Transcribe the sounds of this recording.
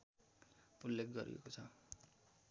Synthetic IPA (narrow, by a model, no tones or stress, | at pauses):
pulːek̚ʰɡʌɾḭḛkot͡sʰʌ